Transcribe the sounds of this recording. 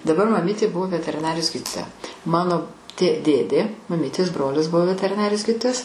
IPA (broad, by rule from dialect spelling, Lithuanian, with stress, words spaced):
dɐˈbɐr mɐˈmʲiːtʲeː ˈbʊʋoː ʋʲɛtʲɛrʲɪˈnɑːrʲɪjoːs ˈɡʲiːdʲiːtoːjɛ ˈmɑːnoː tʲeː ˈdʲeːdʲeː mɐˈmʲiːtʲeːs ˈbroːlʲɪs ˈbʊʋoː ʋʲɛtʲɛrʲɪˈnɑːrʲɪjoːs ˈɡʲiːdʲɪtoːjɛs